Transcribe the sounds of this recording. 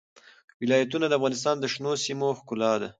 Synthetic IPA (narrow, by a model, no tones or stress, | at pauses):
wɪlɑjat̪̬unad̪əafɣɑnɪs̬t̪ɑnd̪əʃnosimoxkʊlɑd̪a